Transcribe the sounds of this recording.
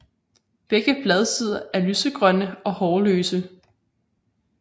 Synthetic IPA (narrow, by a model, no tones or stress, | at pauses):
b̥eɡ̥əb̥lɛð̞ˠsið̞̰ˠɐæɐlysəɡ̥ʁɶnəɒ̽hɒːløːsə